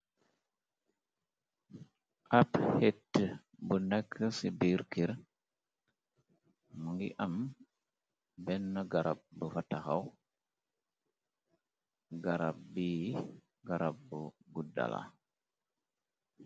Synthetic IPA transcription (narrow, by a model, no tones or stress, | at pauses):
ʔaphetːə | bunɛkʰːəsibiɾkiɾ | muŋɡiʔam | bɛnːəɡaɾap̚bəfataxaw | ɡaɾab̚biː | ɡaɾap̚bəɡuda̰la̰